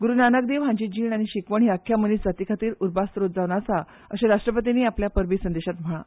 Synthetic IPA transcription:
ɡuɾunanək̚d̪eʋɦãɲd͡ʑid͡ʑiːɳaɽ̃iɕikʋəɳ̤̃iːakʰːjaməniːsd͡zat̪iːkʰat̪iːɾuɾbast̪ɾot̪̚d͡zaʋɽasa | əɕẽɾaʂʈɾəpət̪̬iniːapljapəɾbisənd̪eɕat̪m̤əɭa̰

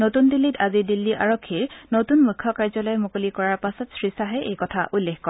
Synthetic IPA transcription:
notundilːitʰazidilːiʔaɹokʰːiɹnotunmujkʰːɔkaɹzɔlɔjmokolikɔɹaɹpasɔtsɹisaɦɛʔejkɔtʰaʔulːexkɔɹ

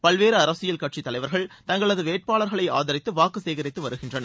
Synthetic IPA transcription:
pɐɭʋeːɾɯɐɾɐsɪjɐlkɐʈ̚t͡ʃit̪ːɐlɐɪʋɐɾɣɐɭt̪ɐŋɡɐɭɐðɯʋeːʈ̚paːɭɐɾɣɐɭɐɪa̰ːðɐɾɪt̪ːɯʋaːkɯseːɣɐɾɪt̪ːɯʋɐɾɯɣɪndrɐnɐ

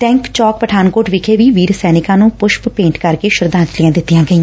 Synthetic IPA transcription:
ʈɛ̃ːŋkt͡ʃɔːk̚pəʈʰaːnkoːʈʋɪkʰeːʋiːʋiːɾsɛːnɪkãːnũːpʊʃppẽːɳʈkəɾkeːʃʊɾd̪ãːt͡ʃlijãːd̪ɪt̪ːɪjãːɡəĩː

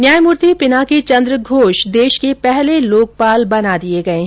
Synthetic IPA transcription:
njaːjmʊɾt̪ʰipɪnaket͡ʃɐ̃nd̪ɾəɡʱoːʃd̪eːʃkepɛɦleloːk̚paːlbɐnad̪ieɡɐeɦ

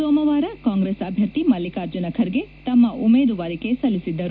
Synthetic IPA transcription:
soːmɐʋaːɾɐkaːŋɡɾesɐbʱjɐɾt̪imɐlikaːɾd͡ʒɐnɐkʰɐɾiɡe̞t̪ɐmːɐʔumeːd̪uʋaːɾikesɐlːisid̪ːɐɾu

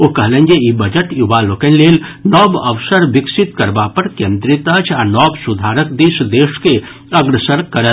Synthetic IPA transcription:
okɐɦlə̃ŋɡeibɐd͡ʒəʈjuʋaloːkɐnleːlnɔːbəʋsəɾʋɪksɪt̪kɐɾbapɐɾkẽːnd̪ɾɪt̪ɐt͡ʃʰanɔːbsʊd̪ʱaːɾəkd̪iːʃd̪eːʃke | ɐɡɾəsəɾkːɐɾət̪

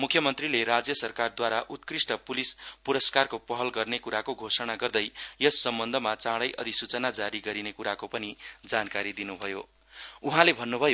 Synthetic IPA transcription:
mukʰjʌmʌnt̪rileɾad͡zjʌsʌrkard̪waɾaʔut̪̚krisʈʌpulispuɾʌskarkopʌɦʌlɡʌrnekuɾakoɡʱosʌñaɡʌrd̪ʌjjʌsːʌmbʌnd̪ʱʌmat͡sãɽʌjʔʌ̰d̪ʱisut͡sʌnad͡zaɾiɡʌɾinekuɾakopʌnid͡zankaɾid̪inubʱʌjo̰ | uɦãlebʱʌnːubʱʌjo

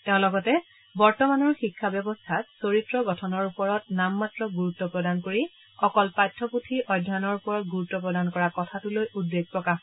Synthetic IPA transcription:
teʊ̃lɔɡɔtɛ | bɔɹtɔmanɔɹxikʰːabjɔbɔstʰatsoɹitɹɔɡɔtʰɔnɔɹupɔɹɔtnamːatɹɔɡuɹutːɔpɹɔdankoɹi | ɔkɔlpajtʰːɔputʰiʔɔjdʱːanɔɹupɔɹɔtɡuɹutːɔpɹɔdankɔɹakɔtʰatulojʔudːeɡ̚pɹɔkax

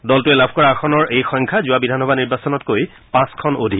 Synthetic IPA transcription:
dɔltʊɛlabʱkɔɹaxɔnɔɹejxɔŋkʰazʊabidʱanɔbʱaniɹbasɔnɔtkoj | pãskʰɔnodʱi

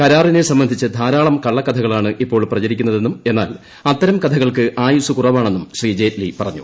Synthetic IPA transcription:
kɐɾaːrinesɐmbɐnd̪ʱit͡ɕːɐd̪ʱaːɾaːɭɐmkɐɭːɐkːɐt̪ʰɐɣɐɭaːɳɨʔipːo̞ːɭprɐt͡ɕɐɾikʲːunːɐðe̞nːume̞nːa̰ːl | ɐt̪ːɐɾɐmkɐt̪ʰɐɣɐɭkɨʔaːjusukurɐʋaːɳe̞nːumɕriːd͡ʑeːtlipɐrɐɲːṵ

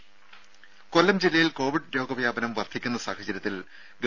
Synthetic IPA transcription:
ko̞lːɐmd͡ʑilːɐjilko̞ːʋiɖɾo̞ːɡɐʋjaːbɐnɐmʋɐrt̪ʰikʲːunːɐsaːhɐd͡ʑɐɾʲjɐt̪ːil | ɡ

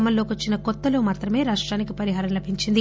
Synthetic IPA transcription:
mɐlːo̞ːkiʋɐt͡ʃːinɐkɔt̪ːɐlo̞ːmaːt̪ɾɐme̞ːɾaːʂʈɾaːnikipɐɾiɦaːɾɐmlɐbʱiɲt͡ʃind̪i

